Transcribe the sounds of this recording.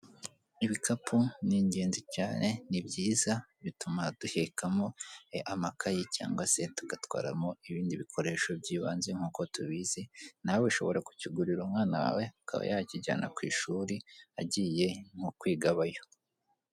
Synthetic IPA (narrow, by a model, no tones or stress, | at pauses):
iβikʰapʰuniɲɟe̞ːnzicaːne̞nibɟiːzaβitumad̥uhekʰamoeʔamakajica̰ːŋɡwase̞tu̥ɡ̥atwa̰ːɾa̰moiβiːndiβikʰo̞ɾe̞ːʃo̞b̚ɟiːβaːnzeŋ̥uːko̞tuβizen̥aweʃo̞βo̞ɾaku̥ciɡuɾiɾumŋaːnawa̰weakʰa̰βa̰jaciɟa̰ːnʔa̰kwḭːʃuːɾiaɟiːje̞ŋ̥ukwiːɡaβajo̞